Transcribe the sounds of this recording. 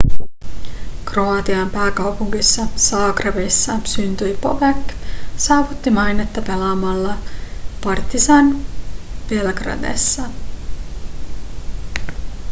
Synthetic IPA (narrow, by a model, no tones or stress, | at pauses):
kro̞ɑt̪iɑmpæːkɑwpuŋkisːɑsɑːkreʋisːɑsynt̪yjpo̞ʋeksɑːʋut̪ːimɑjne̞t̪ːɑpe̞lɑmɑlːɑpɑrt̪ːisɑn | ʋelɡrɑ̰d̪ḛsːɑ